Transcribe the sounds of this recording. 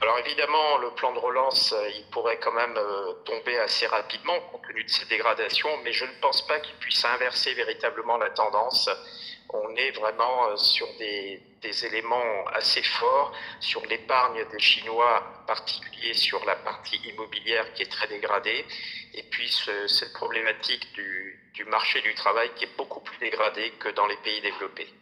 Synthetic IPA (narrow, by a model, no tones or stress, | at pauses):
alɔʁevid̪amɑ̃ləplɑ̃d̪əʁəlɑ̃søilpuʁɛkɑ̃mɛmøt̪ɔ̃beaseʁapid̪mɑ̃kɔ̃t̪ənyd̪əsɛd̪eɡʁad̪asjɔ̃mɛʒənəpɑ̃spakʲilpɥisɛ̃vɛʁseveʁit̪abləmɑ̃lat̪ɑ̃d̪ɑ̃s | ɔ̃nɛvʁɛmɑ̃øsyʁd̪e | d̪̥ezelemɑ̃a̰sefɔːʁsyʁlepaʁɲd̪eʃinwaɑ̃paʁt̪i̥kʲyljesyʁlapaʁt̪ʰiʔimɔbiljɛʁkʲiɛt̪χɛd̪eɡʁad̪eepɥisəsɛt̪pχɔblemat̪ʰikd̪y | d̪̥ymaʁʃed̪yt̪χavajkʲiɛbokuplyd̪eɡʁad̪ekəd̪ɑ̃lepeid̪evlɔpe